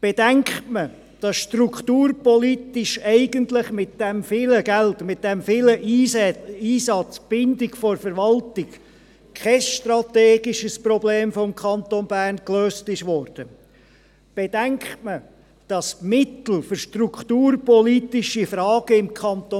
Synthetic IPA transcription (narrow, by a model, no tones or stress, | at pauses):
b̥ɛd̥æŋkχtmə | d̥ɑsʃtrukχt̪uːrpɔlit̪ɪʃɛɪɡəntləχmɪt̚d̥ɛmfɪːləɡæltmɪt̚d̥ɛmfɪləʔ | iːsɑt͡sb̥ɪndɪɡfɔɾfəɾʋɑltɪk | kʰχɛsʃtrɑt̪eːɡɪʃəsprɔbleːmfɔmkʰχɑnt̪onbæːrnkløːstɪʃʋɔːɾd̥ə | b̥ɛd̥æŋkχtmə | d̥ɑsmɪt̪l̩fʏɾʃtrukʰt̪uːrpɔlitɪʃifɾɑːɡ̥əɪmkʰɑnt̪o